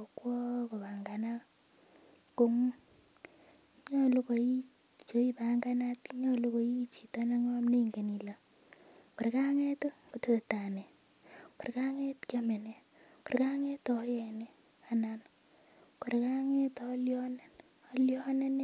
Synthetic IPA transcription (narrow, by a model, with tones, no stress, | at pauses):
o˨kwɔ˦ko˨pa˨ŋɡa˨na˦ | ko˨ŋu˦ | ɲɔ˦lu˦ko˨i˦ | t͡ʃo˨˦i˦pa˨ŋɡa˦na˦tɲɔ˦lu˦ko˨i˦t͡ʃi˨to˦na˦ŋɔ˦mne˦i˨ŋɡe˨ni˨la˨ | ko˨ɾe˨ka˦ŋɛ˦tko˨te˦te˨ta˨ne˨ | ko˨ɾka˦ŋɛ˦tkja˦me˨ne˨ | ko˨ɾka˦ŋe˦tɔ˦jɛ˨ne˨ | a˨nan | ko˨ɾe˨ka˦ŋe˦tɔ˨˦ljɔ˦nɛ˨n | ɔ˦ljɔ˦ne˦n˦